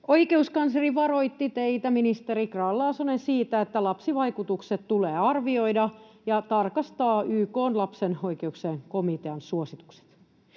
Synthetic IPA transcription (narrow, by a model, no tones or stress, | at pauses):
o̞ike̞uskɑnseriʋɑɾo̞jt̪ːit̪eit̪æminist̪eɾikrɑːlːɑːsonensiːt̪æet̪ːælɑpsiʋɑijkut̪ukset̪t̪uleːɑrʋio̞idɑ | jɑt̪ɑrkɑst̪ɑːyːkoːnlɑpseno̞jkeukseŋko̞mit̪eɑnsuosit̪u̥kse̥t̪